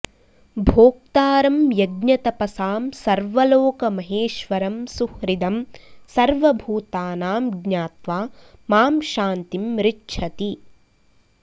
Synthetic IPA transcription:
bʱoːk̚t̪aːɾɐmjɐɡɲɐt̪ɐpɐsaːmsɐɾʋɐloːkɐmɐɦeːʃʋɐɾɐmsuhɾid̪ɐmsɐɾʋɐbʱuːt̪aːnaːmɡɲaːt̪ʋaːmaːmʃaːnt̪imɾɪʈʃʰɐt̪i

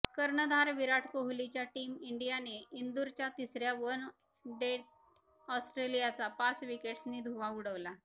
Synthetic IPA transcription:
kəɾɳəd̪ʱaɾʋiɾaʈʰpoɦulit͡ɕjaʈiːmiɳɖijaneind̪uɾt͡ɕjat̪isɾjaʋən | ɖeʈ̚ | ɔsʈɾelijat͡sapat͡sʋikeʈsniːd̪ʱuʋauɽəʋla

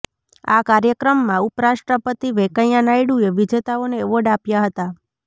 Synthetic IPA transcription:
akaɾjəkɾəmːãupɾaʃʈɾəpət̪iʋekəjanajɽueʋid͡ʒet̪aoneːʋɔɖapjaɦət̪a

